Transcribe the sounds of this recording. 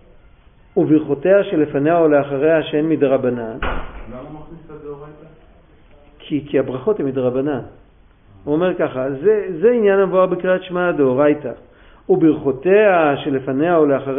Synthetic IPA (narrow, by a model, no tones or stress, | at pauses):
ubiʁχote̞aʃe̞le̞fane̞aoleaχaʁe̞aʃeenmideʁabanan | dta | kʰikiabʁaχo̞temideʁabanan | uome̞ʁkaχazezeinjanamvuaʁbikʁiatʃmadooʁajta | ubiʁχoteaʃe̞le̞fane̞aoleaχaʁ